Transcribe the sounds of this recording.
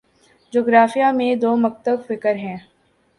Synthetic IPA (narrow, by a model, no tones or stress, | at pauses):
d͡ʒoːɡɾaːfijamẽd̪oːmɐk̚t̪əbfɪkəɾɦɛ̃ː